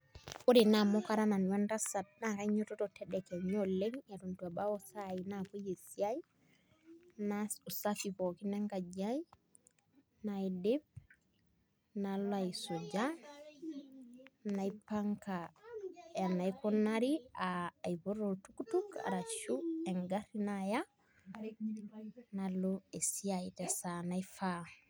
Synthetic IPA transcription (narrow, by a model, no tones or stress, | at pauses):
oɾinamokaɾananwandasat̚nakaiɲɔtɔtɔtɛdɛkɛɲɔleŋetontuabaɔsainapojesjaj | nausafipɔkinaŋkad͡ʒaji | naidib̚ | naloaisod͡ʒa | naipaŋka | janaikonaɾiaːjpoɾotukutuka̰ɾaʃueŋɡaɾinaja | naloesiajitɛsanaifa